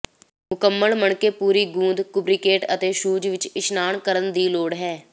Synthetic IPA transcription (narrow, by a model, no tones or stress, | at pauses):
mʊkəmːəlməɳkeːpuːɾiːɡũːnd̪kʊbɾɪkeːʈət̪eːʃuːd͡ʒʋɪt͡ʃɪʃnaːɳkəɾənd̪iːloːɽɦɛː